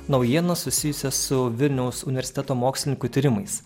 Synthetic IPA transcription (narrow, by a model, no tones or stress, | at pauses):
nɒʊjiɛnɐsʊsʲɪjʊsʲɛsʊʋʲɪlʲnʲɛʊsʊnʲɪʋʲɛɾʲsɪ̥t̪ʲɛt̪oːmoːksʲlʲɪnʲɪŋkut̪ʲiːɾʲɪmɐɪs